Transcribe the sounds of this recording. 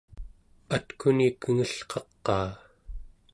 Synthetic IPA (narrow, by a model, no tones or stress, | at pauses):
at̪kʰunikəŋəɬqɑqːɑː